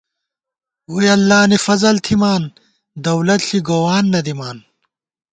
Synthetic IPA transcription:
ujɐlːaːnifɐzɐlt̪ʰimaːn | d̪ɐwlɐt̪ɬiɡoːwaːnːɐd̪imaːn

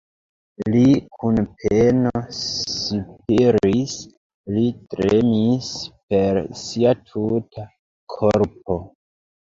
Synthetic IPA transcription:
likʰunpʰenosip̚iɾis | litɾemispe̞ɾsiatʰutʰa | kʰoɾp̚o

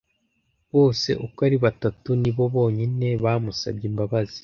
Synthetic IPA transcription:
βo̞ːse̞̰ʔukaɾiβatatuniβo̞βo̞ːɲine̞βaːmusa̰bɟiːmbaβazi̥

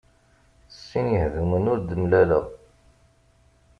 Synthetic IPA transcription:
θsːinjəhðumənʊɾd̪əmlælə̰ʁ

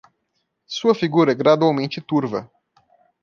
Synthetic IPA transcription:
suəfiɡuɾeɡɾad̪oomint͡ʃit̪urvə

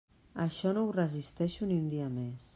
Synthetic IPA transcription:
əʃɔnouwrəzist̪ɛʃuniund̪iəmes

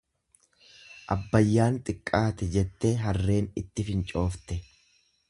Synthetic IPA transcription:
ʔɐbːɐjːaːnt̪ʼɪkʼːaːt̪ɛd͡ʒɛt̪ːeːɦɐrːe̞ːnɪt̪ːɪfɪnt͡ʃʼo̞ːft̪ɛ

